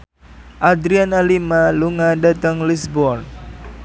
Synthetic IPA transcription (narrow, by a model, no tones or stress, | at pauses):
ʔad̪ɾianalimaluŋadat̪əŋlisbɔrn